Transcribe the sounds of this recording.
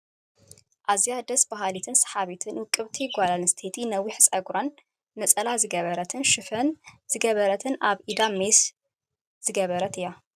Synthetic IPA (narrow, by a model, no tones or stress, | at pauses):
ʔazjad̪ɐsbaɦalit̪ʰɨnsɐ̥ħaβit̪ʰɨnwɨkʼːɨβt̪ʰiɡʷalalɨst̪ʰet̪ʰinɐwːiħsʼɐɡɾanː | ɐt͡sʼɐlazɨɡɐβɐɾɐt̪ʰɨnʃɨfɐnz̥ɨɡɐβɐɾɐt̪ʰɨnaβid̪ames | z̥ɨɡɐβɐɾɐt̪ʰɨjːa